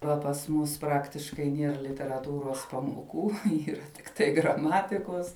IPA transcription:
ˈʋɐ pɐs ˈmʊs ˈprɑːktʲɪʃkɐɪ ˈnʲiɛr lʲɪtʲɛrɐˈtuːroːs pɐmoːˈkuː ˈiːrɐ tʲɪkˈtɐɪ ɡrɐˈmɑːtʲɪkoːs

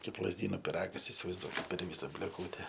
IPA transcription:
ˈkɐɪp lˠɐzʲˈdʲiːnoː pʲɪˈrɑːɡɐs ɪsʲɪʋɐɪzˈduɔkʲɪt pʲɛr ˈʋʲiːsɐ bʲlʲeːˈkuːtʲɛ

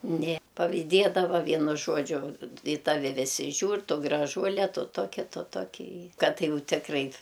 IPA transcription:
nʲeː pɐʋʲiːˈdʲeːdɐʋɐ ˈʋʲiɛnʊ ˈʒuɔd͡ʒʲʊ ɪ ˈtɑːʋʲɪ ˈʋʲɪsʲɪ ˈʒʲuːr ˈtʊ ɡrɐˈʒuɔlʲɛ ˈtʊ ˈtoːkʲɪ ˈtʊ ˈtoːkʲɪ ɪ ˈkɐt ˈjɛʊ ˈtʲɪkrɐɪ

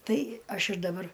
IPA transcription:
ˈtɐɪ ˈɐʃ ɪr dɐˈbɐr

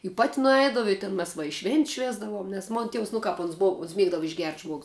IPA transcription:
ɪ pɐtʲ nʊˈɛɪdɐʋʊ ɪ tʲɪn mʲɛs ʋɐ ʃʲʋʲeːnʲtʲsʲ ˈʃʲʋʲeːzdɐʋoːm nʲɛs ˈmoːn ˈtʲiɛws nʊ ˈkɐp ɐns ˈboːʊ oːns ˈmʲiɛɡdɐʋʊ ɪʒʲɡʲɛrʲtʲ ˈʒmuɔɡʊs

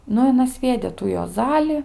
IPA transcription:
ˈnʊ ɪ ɐˈnɐ ˈsʲʋʲiɛdʲeː tuː juɔˈzɑːlʲɪ

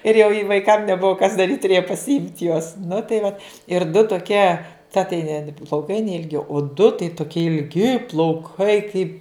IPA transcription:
ɪr jɛʊ ɪ ʋɐɪˈkɐm nʲɛˈbʊʋoː kɐs dɐˈrʲiːtʲ tʊˈrʲeːjɛ pɐsʲɪˈɪmʲtʲ juɔs nʊ tɐɪ ʋɐt ɪr dʊ toːˈkʲiɛ tɐ tɐɪ nʲɛ plˠɐʊˈkɐɪ nʲɛɪlʲˈɡʲɪ oː dʊ tɐɪ toːˈkʲiɛ ɪlʲˈɡʲɪ plˠɐʊˈkɐɪ kɐɪp

